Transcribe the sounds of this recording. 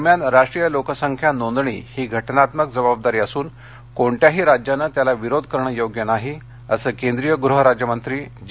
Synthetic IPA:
mjanɾaʂʈɾijəlokəsəŋkʰjanond̪ɳḭːhiːɡʱəʈnat̪məkd͡zəbab̚d̪aɾiːəsuːn | koɳʈjaɦiːɾad͡ʑjanət̪jalaʋiɾod̪̚ʱkəɾɳ̃əjoɡjənaɦi | əsəːkend̪ɾijəɡɾuɦəɾad͡ʑjəmənt̪ɾiːd͡ʑ

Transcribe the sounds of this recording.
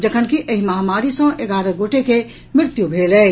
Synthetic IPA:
d͡ʒɐkʰənkiʔɐɦimɐɦamaːɾisɔ̃ʔeɡaːɾəɡoːʈeke | mɪɾt̪jubʱeːləː

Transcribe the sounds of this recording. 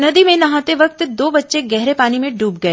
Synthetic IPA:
nɐd̪imẽnɐɦãt̪eʋɐkt̪d̪oːbɐtːʃeɡɛɦɾepaːnimẽɖuːp̚ɡɐeː

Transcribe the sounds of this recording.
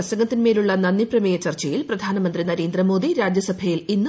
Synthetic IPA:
ɐsɐŋɡɐt̪ːinmeːluɭːɐnɐnːiprɐmeːjɐt͡ɕɐrt͡ɕɐjilprɐd̪ʱaːnɐmɐnd̪rinɐɾe̞ːnd̪rɐmo̞ːd̪iɾaːd͡ʑjɐsɐbʱɐjilinːɨ

